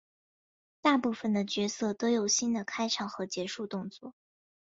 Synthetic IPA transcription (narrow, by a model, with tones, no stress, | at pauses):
t̪a˥˧pu˥˩fə˩nd̪ə˩t͡ɕɥɛ˧˥sɤ˥˩t̪o˥jo˨˩ʊɕi˥nd̪ə˨kʰa˥ɪʈ͡ʂʰɑ˨˩ŋxɤ˧˥t͡ɕjɛ˧˥ʂu˥˧t̪ʊ˥˧ŋt͡swɔ˥˩